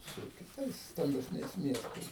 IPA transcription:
sʊ kʲɪˈtɐɪs stɐmʲbʲɛsʲˈnʲɛɪs ˈmʲiɛstɐɪs

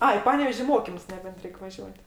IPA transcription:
ˈɐɪ ɪ ˈpɑːnʲɛʋʲɛʃʲ ɪ ˈmoːkʲɪmʊs nʲɛˈbʲɛnt ˈrʲɛɪk ʋɐˈʒʲuɔtʲ

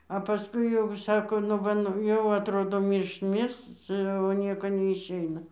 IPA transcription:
ɐ pɐˈskʊɪ jɛʊ ˈʃɑːkoː nʊ ˈʋɐ nʊ ˈjɛʊ ɐtˈroːdoː ˈmʲiːrʃt ˈmʲɪrs ˈt͡sʲɛ oː ˈnʲiɛkoː nʲɛɪʃʲˈɛɪnɐ

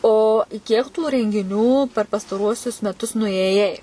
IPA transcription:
oː ˈkʲiɛk tuː rʲɛŋʲɡʲɪˈnʲuː pʲɛr pɐstɐˈruɔsʲʊs mʲɛˈtʊs nʊeːˈjɛɪ

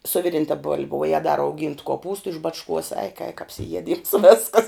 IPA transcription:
sʊ ˈʋʲɪˌrʲɪntɐ boːlʲpʲ ʋuɔ ˈjæːɡʊ dɐ rɐʊˈɡʲiːntʊ koːˈpuːstʊ ɪʃ ˈbɑːt͡ʃˌkuɔs ɛɪk ɛɪk ɐpʲsʲɪˈjiɛˌdʲiːms ˈʋʲæːskɐs

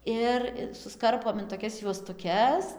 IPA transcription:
ˈɪr ɪ sʊsˈkɐrpoːm ɪn toːˈkʲɛs juɔstʊˈkʲɛs

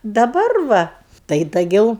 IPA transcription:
dɐˈbɐr ˈʋɐ tɐɪ dɐˈɡʲɛʊ

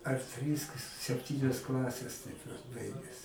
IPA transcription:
ɐr ˈtʲrʲiːs k sʲɛpʲˈtʲiːnʲɛs ˈklˠɑːsʲɛs ˈtɐɪp ʋɐt ˈbɐɪɡʲɛs

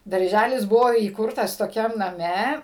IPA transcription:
dɐrʲˈʒʲælʲɪs ˈbʊʋoː iːˈkʊrtɐs toːˈkʲɛm nɐˈmʲɛ

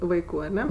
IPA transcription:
ˈʋɐɪkʊ ɐˈnʲɛ

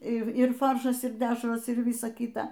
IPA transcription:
ˈɪr ˈɪr ˈfɐrʃɐs ɪr ˈdʲæːʃroːs ɪr ˈʋʲiːsɐ ˈkʲiːtɐ

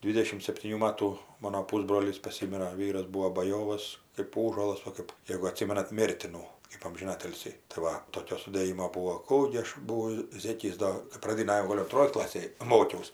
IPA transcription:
ˈdʲʋʲiːdʲɛʃʲɪm sʲɛpʲtʲiːˈnʲuː ˈmɑːtuː ˈmɑːnoː ˈpuːzbroːlʲiːs pɐˈsʲɪmʲɪrɐ ˈʋʲiːrɐs ˈbuːoː bɐˈjoːʋɐs kɜp ˈuːʒuɔlˠɐs ˈʋɐ kɜp ˈjeːɡʊ ɐˈtʲsʲɪmʲɛnɐt ˈmʲeːrʲtʲɪnuː kɜp ɐmʲʒʲɪˈnɑːtʲɪlʲsʲiː tɐɪ ˈʋɐ toːˈkʲoː sʊdʲeːˈjɪmoː ˈbuːoː ˈkuː ɡʲɪ ˈɐʃ ˈbʊʋɐʊ ˈzʲeːkʲɪs ˈdoː kɜp prɐˈdʲɪnɐj jɛʊ ˈɡoːlʲ ʊnˈtroːj ˈklˠɑːsʲeːj ˈmoːkʲɛʊs

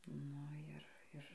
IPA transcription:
ˈnʊ ɪr ˈɪr

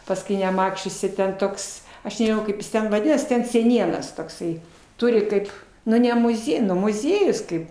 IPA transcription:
pɐsˈkʊɪ nʲɛˈmɑːt͡ʃʲʊsʲɪ ˈtʲɛn ˈtoːks ˈɐʃ nʲɛʒʲɪˈnɐʊ ˈkɐɪp jɪ tʲɛn ʋɐˈdʲɪnɐs tʲɛn sʲɛˈnʲiɛnɐs toːkˈsɐɪ ˈtʊrʲɪ ˈtɐɪp ˈnʊ nʲɛ mʊˈzʲiɛ nʊ mʊˈzʲiɛjʊs ˈkɐɪp

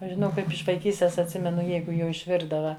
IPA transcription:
ˈɐʃ ʒʲɪˈnɐʊ ˈkɐɪp ɪʃ ʋɐɪˈkʲiːsʲtʲeːs ɐtʲˈsʲɪmʲɛnʊ ˈjɛɪɡʊ jɛʊ ɪʃʲˈʋʲɪrdɐʋɐ

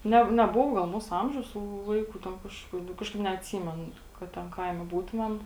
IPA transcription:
ˈnʲɛ nʲɛˈbʊʋoː ɡɐlˠ ˈmuːsʊ ˈɐmʲʒʲɛʊs tuː ˈʋɐɪkʊ tʲɛn ˈkɐʃ nʊ ˈkɑːʃkɐɪp nʲɛɐtʲˈsʲiːmʲɛn kɐt ˈtʲɛn ˈkɐɪmʲɛ ˈbuːtʊmʲɛm

